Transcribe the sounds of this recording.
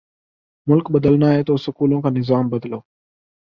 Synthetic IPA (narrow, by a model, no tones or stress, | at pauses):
mʊlkɓəd̪əlnaːɦeːt̪oːsʊkuːlõːkʰãːnɪzaːmbəd̪loː